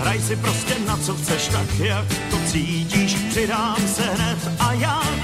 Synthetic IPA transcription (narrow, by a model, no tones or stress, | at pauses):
ɦɾajsɪpɾo̞scɛnat͡soxt͡sɛʃt̪akjakt̪o̞t͡siːciːʃpr̥ɪdaːmsɛɦnɛt̪ʔajaː